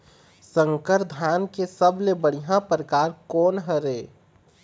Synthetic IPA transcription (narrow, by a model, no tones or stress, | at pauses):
sə̃ŋkəɾd̪ʱaːnkesəblebəɽiɦãpɾəkaːɾkoːnɦəɾeː